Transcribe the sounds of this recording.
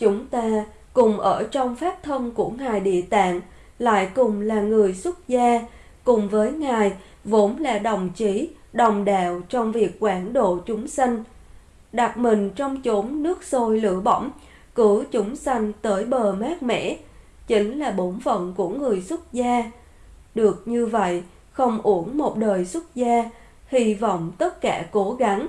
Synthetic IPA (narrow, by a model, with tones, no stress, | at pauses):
t͡ɕʊ˨˦ŋ͡mt̪aː˧ | kʊ˨˩ŋ͡mʔəː˧˩t͡ɕɔ˧wŋ͡mfaː˦˥p̚t̪ʰə˧nku˧˩əŋaː˨˩jɗḭ˧˨ət̪a̰ː˧˨ŋ | la̰ː˧˨jkʊ˨˩ŋ͡mlaː˨˩ŋɨ˨˩əjswʊ˦˥t̚zaː˧ | kʊ˨˩ŋ͡mvəː˨˦jŋaː˨˩j | vo˨˦nlaː˨˩ɗə˨˩wŋ͡mt͡ɕi˨˦ | ɗə˨˩wŋ͡mɗaː˧˨wt͡ɕɔ˧wŋ͡mvi˨˩ək̚ːwaː˧˩nɗo̰˧˨t͡ɕʊ˨˦ŋ͡msa˧jŋ̟ | ɗa˨˩t̚mï˨˩ŋ̟t͡ɕɔ˧wŋ͡mt͡ɕo˨˦mnɨ˦˥ək̚so˧jlɨ̰˧əɓə̰˧˩wŋ͡m | kɨ˧˩əwt͡ɕʊ˨˦ŋ͡msa˧jŋ̟t̪əː˨˦jɓəː˨˩maː˦˥t̚mɛ̰˧˥ | t͡ɕï˨˦ŋ̟laː˨˩ɓo˨˦nvə̰˧˨wnku˧˩əŋɨ˨˩əjswə˦˥t̚zaː˧ | ɗɨ˨˩ək̚ɲɨ˧və̰˧˨j | xə˧wŋ͡mʔu˧˩əŋmo˨˩t̚ɗəː˨˩jswə˦˥t̚zaː˧ | hi˧vɔ̰˧˨wŋ͡mt̪ə˦˥t̚kaː˧˩ko˨˦ɣa˨˦ŋ